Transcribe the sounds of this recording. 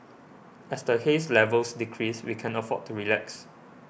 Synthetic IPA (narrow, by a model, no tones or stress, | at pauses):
ɛsdəheslɛvəlsdikʰɹiswḭkʰɛ̃nəfɔ̰d̚tːuɹilɛks